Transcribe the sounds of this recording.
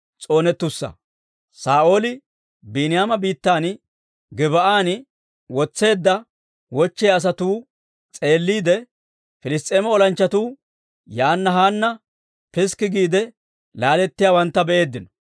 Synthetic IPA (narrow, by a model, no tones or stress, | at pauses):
t͡sʼo̞ːnɛt̪ːʊsːɐ̰ | saːʔo̞ːlɪ | binɪjaːmɐbiːt̪ːaːn | ɡɪβɐʔaːn | wɔt͡sːe̞ːd̪ːɐ | wɔt͡ʃːejɐs̬ɐt̪uː | t͡sʼe̞ːlːiːd̪ɛ | fɪlɪst̪ʼːeːmɔɔlɐnt͡ʃːɐt̪uː | jaːnːɐɦaːnːɐ | pɪskːɪɡiːd̪ɛ | laːlɛt̪ːɪjaːwɐnt̪ːɐbɛʔe̞ːd̪ːɪnɔ̥